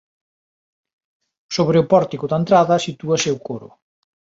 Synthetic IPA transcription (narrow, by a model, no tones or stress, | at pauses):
soβɾeʊpɔɾt̪ikʊðɐent̪ɾaðɐsit̪uɐseuwkoɾʊ̰